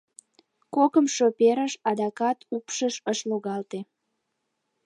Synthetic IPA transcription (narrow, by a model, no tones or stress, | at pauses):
kokəmʃopeɾəʃɑd̪ɑkɑt̪upʃəʃəʃloɣɑlt̪e